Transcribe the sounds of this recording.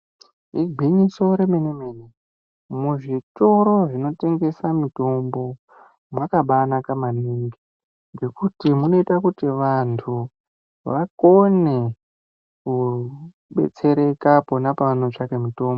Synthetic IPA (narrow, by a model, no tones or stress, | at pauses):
iɡʱiɲiso̞ɾemenemene | muʐitoɾoʐino̞te̞ŋɡe̞samito̞mbo̞ | mwakaɓanakamaniŋɡi | ŋɡe̞kutimuno̞itakutiʋantʰu | ʋako̞ne̞ | ku | ɓe̞̰t͡se̞ɾekaponapanot͡ʂakemito̞ːmbo